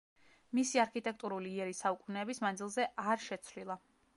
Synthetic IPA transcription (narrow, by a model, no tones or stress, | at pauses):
misiaɾkʰit̪ʼɛk̚ʰt̪ʼuɾuliːɛɾisaukʼunɛːbismand̪zilˠzɛʔaɾʃɛt̪sʰvlilˠa